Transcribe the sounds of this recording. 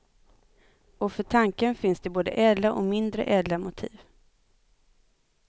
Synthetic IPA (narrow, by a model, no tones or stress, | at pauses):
ɔfœʈʰaŋkənfɪnsd̪ɛboːd̪ə̰ʔɛːd̪laʔɔ̰mɪnd̪ɾə̰ʔɛːd̪lamʊt̪ʰḭːv